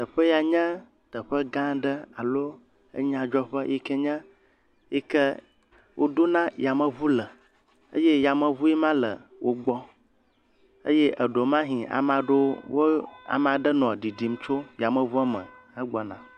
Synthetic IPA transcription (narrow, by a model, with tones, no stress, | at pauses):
t̪ə˨ɸə˦ja˨ɲɛ̃˦ | t̪ə˨ɸə˦ɡã˦ɖə˦a˨lo˦ | ə̰˦ɲã˦d͡ʒɔ˦ɸə˦ji˦kɛ˦ɲɛ̃˦ | ji˦kə˦ | wʔo˦d̪o˦nã˦ja˨mə̃˨βu˦lə˨ | ə̰˦je˦ja˨mə̃˨βu˦jɛ˦mã˦lə̰˨wʔo˦ɡ͡bɔ˦ | ə̰˦je˦ʔə˨ɖo˨mã˦ɦĩ˨a̰˨mã˦ɖo˦wo˦a̰˨mã˨ɖə˦nɔ̃˨ɖi˨di˨m˦t͡ʃo˦ja˨mə̃˨vu˦a˦mə̰̃˨ə˦ɡ͡bɔ˦nã̰˨